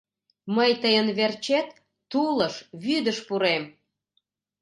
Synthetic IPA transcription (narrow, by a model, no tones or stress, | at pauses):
məjt̪əjənβert͡ɕet̪ː | uləʃβyd̪əʃpuɾem